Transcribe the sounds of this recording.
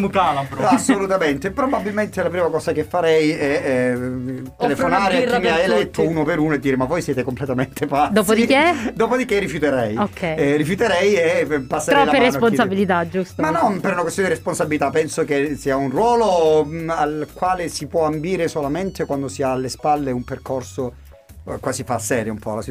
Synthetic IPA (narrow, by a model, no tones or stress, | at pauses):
mukalabɾasːolut̪ament̪epɾobabːilment̪elapɾiːmakɔːsakefːaɾɛjɛ | t̪eleffonaːɾeimːiajelɛt̪ʰːouːnopeɾuːnoed̪ːiːɾemavːɔjsjɛːt̪ekomplet̪ament̪ʰepad̪oːspoid̪iked̪oːpod̪ikerːifjut̪eɾɛjokʰːɛrːifjut̪eɾɛjɛpasːeɾɾɛɔlːeɾesponsabilit̪ad͡ʒust̪manːɔnpeɾunakwest̪jond̪iɾesponsabilit̪apːɛnsokesiaunrwɔːlo | alkwaːlesipwɔambiːɾesolament̪ekwand̪osiaːlːespalːeumperkorso | kwasifasːɛːɾjoumpɔlasi